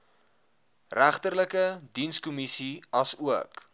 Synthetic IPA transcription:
ræχtərləkədinskɔmisiɐsuək

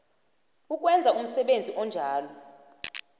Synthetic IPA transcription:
uk̬ʼwɛnd͡zʱaum̩sɛɓend͡zʱiʔɔnd͡ʒʱaːlɔ

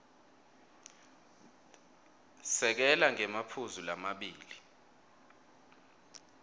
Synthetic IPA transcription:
sɛk̬ɛlaŋɛmapʰuzulamaɓiːli

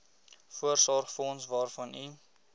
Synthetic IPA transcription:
fuərsɔrχfnsvɑːrfɐni

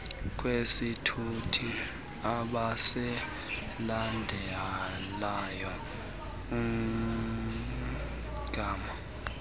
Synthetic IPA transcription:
k̬ʼwesitʰutʰi | aɓasɛ | landʱɛ | lajɔ | um | ɡ̥ʱaːma

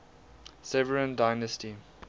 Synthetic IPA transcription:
sɛvəɹə̃ndaɪnəsti

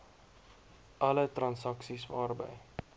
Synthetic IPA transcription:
ʔɐlətrɐnsɐksisvɑːrbə̰j

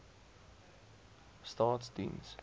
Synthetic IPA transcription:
stɑːtsdḭ̃ns

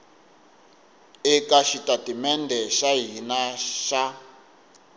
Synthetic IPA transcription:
ɛkaʃitatimɛndʱɛʃaɦinaʃa

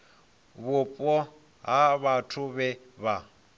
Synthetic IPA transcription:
βʊpʼɔ | ɦaβatʰʊβɛ | βa

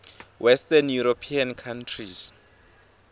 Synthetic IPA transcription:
wʔɛstɛnjuɾopʰiankʰantʰris

